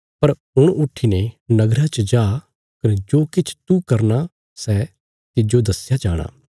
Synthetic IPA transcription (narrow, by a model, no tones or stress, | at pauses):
pɐɾ | ʊɽ̃ʊʈʰːinenɐɡɾat͡ʃəd͡ʒaː | kɐnɛd͡ʒoːkɪt͡ʃʰt̪ukɐɾna | sɛː | t̪ɪd͡ʒod̪ɐsjad͡ʒa̰ːɽ̃a̰ː